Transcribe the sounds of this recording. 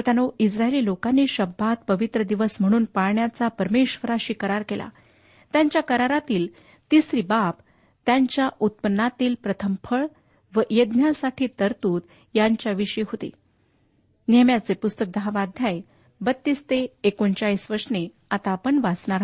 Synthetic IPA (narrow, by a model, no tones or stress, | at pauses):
t̪janoʔisɾaeliːlokanːiːɕəbʱat̪̚pəʋit̪ɾəd̪iʋəsm̤əɽ̃uːnpaɭɳjat͡sapəɾmeɕʋəɾaɕiːkəɾaɾkelʔa̰ | t̪jaɲt͡ɕjakəɾaɾat̪iːl | t̪isɾibap | t̪jaɲt͡ɕjaʔut̪̚pənːat̪iːlpɾət̪ʰəmfʰəɭ | ʋəʔjəd̪njasaʈʰiːt̪əɾt̪uːt̪ | jaɲt͡ɕjaʋiɕəiːɦot̪ḛ | njeəmjat͡sepust̪ək̚d̪əɦaʋad̪ʱjaj | bət̪ːiːst̪eːkont͡ɕaɭiːsʋəɾsne | at̪apəɳʋat͡sɳaɾɦ